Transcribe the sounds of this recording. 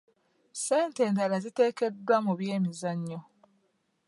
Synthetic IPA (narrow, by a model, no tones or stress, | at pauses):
se̞ːnte̞ːntalazite̞ːke̞dːwamuβje̞ːmizaɲːo